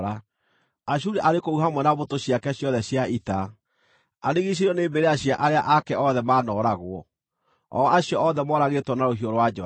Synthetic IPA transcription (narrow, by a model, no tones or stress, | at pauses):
ɾa | aɕ̬uɾeʔaɾekouɦamwɛnaβotoɕjakɛɕjɔðɛɕjaita | aneɣiɕ̬iɾɔneːbeɾeaɕiaʔaɾeaʔakɛɔðɛmaːnɔːɾaɣwɔ | ɔaɕjɔɔðɛmɔɾaɣetwɔnaɾoɦiɔɾwad͡ʒɔ